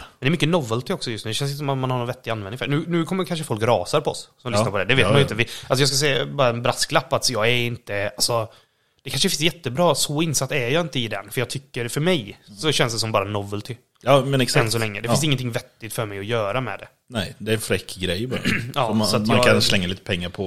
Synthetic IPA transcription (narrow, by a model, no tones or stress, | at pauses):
mɛnɛɾmʏkːənɔvəlt̪ɪɔksɔjɵst̪nʉːd̪ɛɕɛnsɪt̪əsɔmat̪manhaɾnɔnvɛt̪ːɪɡanvɛnɪŋfɛ̰nʉ̟ːnʉ̟ːkʰɔmːəkʰanʂəfɔlkɾɑ̰ːsaɾpʰɔɔ̰ssɔmlʏsnaɾpɔd̪ɛd̪ɛveːt̪manjʏnt̪əvɪalsɔjɑːskas̬ɛːbɑːɾaɛnbɾasklapːat̪jɑːɡɛɾɪnt̪əasɔ | d̪̥ɛkʰanʂəfɪnsjɛt̪ːəbɾɑːsɔɪnsat̪ːɛjɑːɪnt̪əɪd̪ɛ̰nfœɾjɑːɡt̪ʰʏkːəɾfœɾmɛjsɔɕɛnsd̪ɛsɔmbɑːɾanɔvəlt̪ʰɪː | mɛnɛksɛnsɔlɛŋːə̰d̪ɛfɪnsɪŋːənt̪ʰɪŋvɛt̪ːɪt̪fœɾmɛjɔjœːɾamɛ̰d̪ɛ̰ | nɛjd̪ɛɾɛnfɾɛkːɡɾɛjbɑɾɑːɔakaɾslɛŋːaliːt̪ə̥pʰɛŋːaɾpʰɔ